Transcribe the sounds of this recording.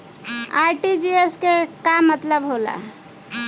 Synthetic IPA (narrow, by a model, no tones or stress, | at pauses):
ajʈid͡ʒieskekamət̪ləbɦola̰